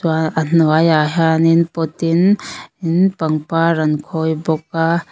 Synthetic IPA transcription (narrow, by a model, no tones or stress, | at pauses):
aanwajaɦaninpɔt̪ininpaŋpaɾɐnkʰɔjbɔk̚a